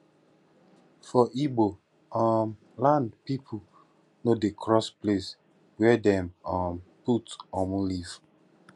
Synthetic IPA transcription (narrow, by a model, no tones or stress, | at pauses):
fɔʔibo | ɔm | lãndpipʰu | nodekʰɹɔsples | wɛdɛ̃mɔ̃mputɔmũliv̥